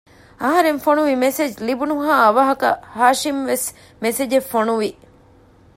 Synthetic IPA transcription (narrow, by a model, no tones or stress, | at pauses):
ɐɦɐɾenfonuʋimesed͡ʒlibunuɦaːɐʋɐɦɐkɐ̰haːʃimʋes | mesed͡ʒefonuʋi